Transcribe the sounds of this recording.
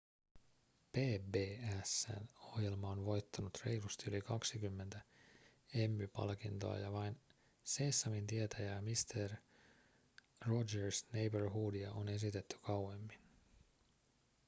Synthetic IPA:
pe̞ːbe̞ːæsːæ̰no̞hje̞lmɑonʋo̞jt̪ːɑnut̪re̞jlust̪ylikɑksikymːe̞nt̪æ | e̞mːypɑ̰lkint̪o̞̰ɑ̰jɑʋɑjn | seːsːɑmint̪iet̪ʰæjæːmist̪ʰer | od͡ʒersnejberɦuːdiɑʔone̞s̬it̪e̞t̪ːy̥kɑwe̞mːin

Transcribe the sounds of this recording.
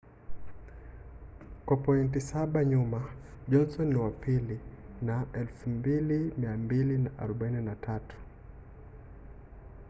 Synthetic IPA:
kwapɔintisaɓaɲumaʄɔnsɔniwapili | naʔɛlfumbilimiambilinaʔa̰ɾɔɓaininatʰatu̥

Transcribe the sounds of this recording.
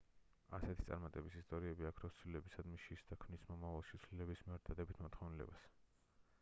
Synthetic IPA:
asɛt̪ʰi̥t̪sʼa̰ɾmat̪ʼɛbisist̪ʼɔɾiɛbiakʰɾɔt̪sʰwlilɛbisad̪miʃisd̪akʰmnismɔmavalˠʃit̪sʰlilɛbismiɛɾd̪ad̪ɛbit̪ʰmɔt̪ʰχɔvnɛlɛ̰bas

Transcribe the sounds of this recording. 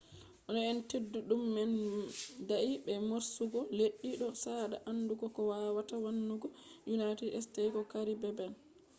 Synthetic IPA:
ʔɔnɔɛntedːuɗumːɛndaʔiɓɛmoɾsuɡɔleɗːiɗɔsaɗa̰ʔanːduɡɔkɔwawatawanːuɡɔjunajtɛdɛstajkɔkaɾibɛbɛn

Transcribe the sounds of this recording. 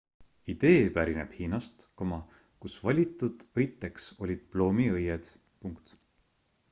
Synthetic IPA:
id̪̥e̞ːpæɾine̞̰b̥hiːnɑst̪komɑ | kusvɑlʲit̪ːˑud̪̥ɤjt̪ːˑe̞kso̞lʲid̪̥̚plo̞ːmiɤjed̪̥ | puŋkt̪

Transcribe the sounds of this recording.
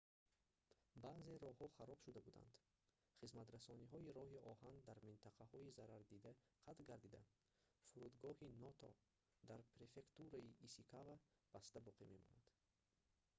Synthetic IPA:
baze̞ɾɔhɔχaɾɔb̥ʃud̪abud̪a̰nd̪ | χizmat̪ɾasɔniɦɔiɾɔɦiɔhand̪aɾmint̪ʰaqʰahɔizaɾaɾd̪id̪a | qʰat̪lɡaɾd̪id̪a̰ | fuɾud̪ɡɔhinɔt̪ʰɔ̰ | d̪aɾpɾe̞fe̞kt̪uɾaiʔisikʰava | b̥ast̪abɔqʰimemɔ̰nad̪̥

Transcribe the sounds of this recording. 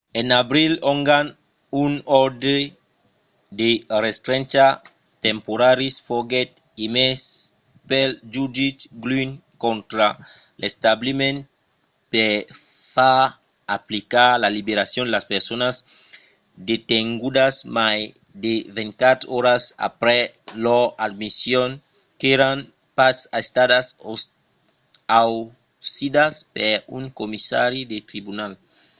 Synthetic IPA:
enaβɾiloŋɡan | unoɾde | d̪erest̪ɾent͡ʃa | t̪empoɾaɾisfoɡet̪̚ | imes | peld͡ʒud͡ʒitɡlinkont̪ɾa | lest̪ablimẽn | pe | fa | aplikaɾlalibeɾasjond̪elaspeɾsonaz | d̪et̪eŋɡud̪asmaj | d̪evẽnt̪kat̪oɾasa̰pɾɛ | load̪̚misjoŋ | keɾan | pasaest̪adaso | aw | sid̪aspeɾuŋkomisa̰ɾjid̪et̪ɾibunal

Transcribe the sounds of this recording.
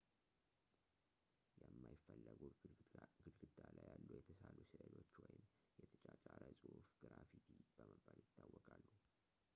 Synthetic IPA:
jɛmːajɪfːəlːəɡuɡɨd̪ɡɨd̪alajalːujɛt̪ʰəsalusɨʔəno̞t͡ʃːwɔjɪm | jɛt̪ʰət͡ʃʼat͡ʃʼaɾəsʼɨhufɡ̥ɨɾafit̪ʰib̥əməbːaljɪtb̪ːawːɔkʼalːu

